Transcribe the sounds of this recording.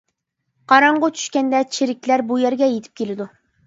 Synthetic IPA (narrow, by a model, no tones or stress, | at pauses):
qʰɑɾɑɴʁʊt͡ʃʰy̥ʃkʲɛnd̪ɛt͡ʃʰeɾɪkʲlæɾbujɛɾɡʲɛjet̪ʰɪ̥p̚kʲʰelɪd̪u